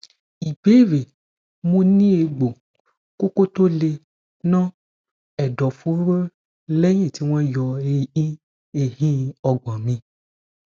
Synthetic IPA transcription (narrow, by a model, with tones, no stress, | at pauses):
i˨be˦ɾe˨ | mũ˦nĩ˦e˨ɡ͡bo˨ | ko˦ko˦t̪o˦le˧ | nã˦ | ɛ˨ɖɔ˨fu˦ɾo˦ | le˦ɲĩ˦˨ti˦wɔ̃˦ɛ˦jɔ˨e˨i˦ | e˨ɦĩ˦ɔ˨ɡ͡bɔ̃˨mĩ˦